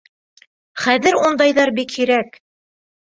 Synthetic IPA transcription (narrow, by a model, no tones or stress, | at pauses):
χæðɘɾund̪ɑjðɑɾbikhiɾæk